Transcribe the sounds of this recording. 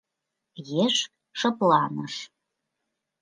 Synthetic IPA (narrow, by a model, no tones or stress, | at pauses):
jeʃ | ʃɤ̆plɑnəʃ